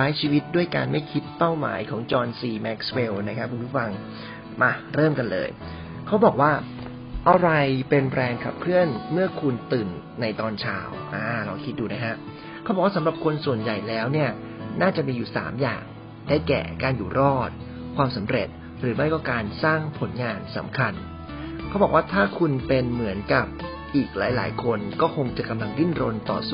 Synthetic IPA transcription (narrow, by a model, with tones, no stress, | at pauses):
aː˦˥jt͡ɕʰiː˧wi˦˥t̪̚du˥˩əjka̰ː˧nma˥˩jkʰi˦˥t̪̚pːa˥˩wma̰ː˩˦jkʰɔː˩˦ŋt͡ɕɔː˧nsiː˧mɛ˦˥k̚sweː˧wna˦˥kʰa˦˥pkʰːu˧npʰuː˦˥˩fa˧ŋ | ma˧ɾɤː˥˩mka˧nlɤ̰ː˧j | kʰa˦˥wbɔː˨˩k̚waː˥˩ | ʔa˧ɾa˧jpe˧nɾɛː˧ŋkʰa˨˩p̚kʰɯ˥˩ənmɯ˥˩ɐkʰu˧nt̪ɯː˨˩nːa˧jt̪ɔː˧nt͡ɕʰa̰ː˧wʔaː˧˩ɾɔː˧kʰi˦˥t̪̚duː˧na˦˥kʰa˦˥ʔ | kʰa˦˥bɔː˨˩kwa˥˩sa˩˦mɾa˨˩p̚kʰo˧nsu˨˩ənja˨˩jlɛː˦˥wni˥˩ɐ | naː˥˩t͡ɕa˨˩miː˧juː˨˩sa̰ː˩˦mja̰ː˨˩ŋ | daː˥˩jkɛ̰ː˨˩kaː˧njuː˨˩ɾɔː˥˩t̪̚ | kʰwaː˧msa˩˦mɾḛ˨˩t̪̚ | ɾɯː˩˦ma˥˩jkɔː˥˩kaː˧nsaː˥˩ŋpʰo˩˦nŋaː˧nsa̰˩˦mkʰa˧n | kʰa˦˥bɔː˨˩k̚waː˥˩t̪ʰaː˥˩kʰu˧npe˧nmɯ˩˦ənka˨˩p̚ | ʔiː˨˩k̚la̰ː˩˦jla̰ː˩˦jkʰo˧nkɔː˥˩kʰo˧ŋt͡ɕa˨˩ka˧mla˧ŋli˥˩nɾo˧nt̪ɔ̰ː˨˩su˧˥˩